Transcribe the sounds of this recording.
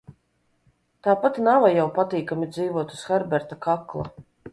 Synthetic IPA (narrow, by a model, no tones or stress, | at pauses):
t̪aːpat̪navajawpat̪iːkamʲid̪ziːvuɔt̪u̥sxɛɾbɛɾt̪akaklˠa̰